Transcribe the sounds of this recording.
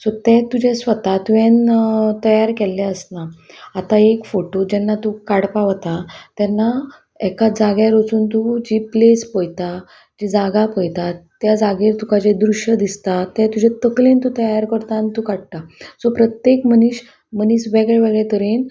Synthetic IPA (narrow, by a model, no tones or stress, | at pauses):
sɔt̪ɛ̃t̪ud͡ʑẽsʋət̪at̪uʋẽnt̪əjaɾkɛlːɛ̃əsnaːt̪aekfoʈod͡ʑɛnːat̪ukaɽpaʋt̪at̪ɛnːa | ɛkad͡zaɡjaɾot͡suːnt̪ud͡ʑiplespojt̪a | d͡ʑid͡zaɡapojt̪at̪jad͡zaɡiɾt̪ukad͡ʑed̪ɾuɕjəd̪ist̪at̪ɛ̃t̪ud͡ʑet̪əklent̪ut̪əjaɾkəɾt̪ant̪ukaɽt̪asɔpɾət̪jekməniɕ | məniːsʋɛɡɭɛʋeɡɭɛt̪əɾen